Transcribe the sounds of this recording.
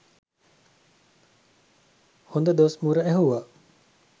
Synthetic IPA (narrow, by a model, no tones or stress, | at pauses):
hond̪əd̪oʋsmuːɾəæɦuʋa